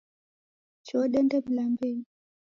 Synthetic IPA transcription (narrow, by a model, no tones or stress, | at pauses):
t͡ʃɔɗɛndɛblambɛ